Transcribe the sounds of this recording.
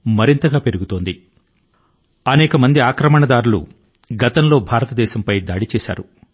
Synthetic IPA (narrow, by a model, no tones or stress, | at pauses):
mɐɾint̪ɐɡaːpe̞ɾuɡut̪o̞ːnd̪i | ɐnɛːkɐmɐnd̪iaːkɾɐmɐɳɐd̪aːɾulṵ | ɡɐt̪ɐnlo̞ːbʱaːɾɐt̪ɐd̪ɛːʃɐmpɐjd̪aːɽit͡ʃɛːʃa̰ːɾu